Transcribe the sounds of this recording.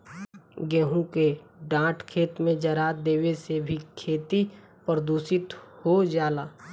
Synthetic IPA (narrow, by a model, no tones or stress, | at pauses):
ɡɛɦũkeɖãːʈkʰeːt̪mẽd͡ʒɐɾaːd̪eːwesebʱikʰeːt̪i | pəɾəd̪uːsɪt̪hod͡ʒaːlaː